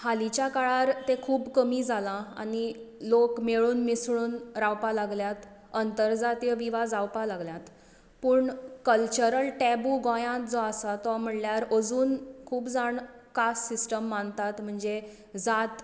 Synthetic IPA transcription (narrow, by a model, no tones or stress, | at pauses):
halit͡ɕjakaɭaɾt̪ẽkʰuːbkəmiːd͡zʱalãa̰ni | lokmeɭuːnmisɭuːnɾawpalaɡljat̪ | ənt̪əɾd͡zat̪ijəʋiʋad͡zawpalaɡljat̪ | puːɳkəlt͡ɕəɾəlʈɛbuɡojãt̪d͡zɔasat̪ɔʋam̤əɽljaɾəd͡zuːnkʰuːbd͡zaɳkasːisʈəmːant̪at̪m̤əɳd͡ze | d͡zat̪